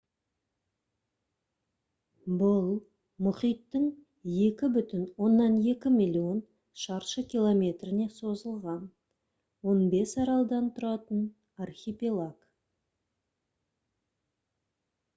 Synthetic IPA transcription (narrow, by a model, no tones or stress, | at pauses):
bʊlˠ | mʊχijt̪ːəŋ | je̞kʲɪbʏt̪ɪnwo̞nːɑne̞kʲɪmʲilʲio̞n | ʃɑɾʃəkʲilˠo̞mʲe̞t̪rɪne̞so̞zəlˠʁɑn | wo̞nbe̞sɑɾɑlˠd̪ɑnt̪ʰʊɾɑt̪ən | arxʲipʲilˠak